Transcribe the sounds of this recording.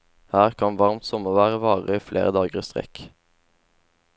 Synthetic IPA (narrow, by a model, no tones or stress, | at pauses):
hæːʁkʰɑnʋɑʁmt̪sɔməʁʋæːʁəʋɑːʁəflʔḛːʁəd̪ɑːɡəʁɪst̪ʁɛ̰k